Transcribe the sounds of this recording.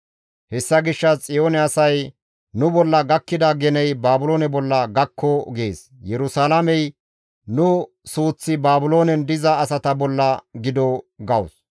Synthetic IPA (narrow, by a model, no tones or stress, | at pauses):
hɛsːɐɡɪʃːɐt͡sʼɪjoːnɛɐsɐj | nʊbɔlːɐɡɐkːɪd̪ɐɡɛnɛjbaːbʊloːnɛbɔlːɐɡɐkʰːɔɡḛːs | jɛɾʊsaːlamɛj | nʊ | suːt͡sːɪbaːbʊlo̞ːnɛnd̪ɪzɐːsɐt̪ɐbɔlːɐɡɪd̪ɔɡɐws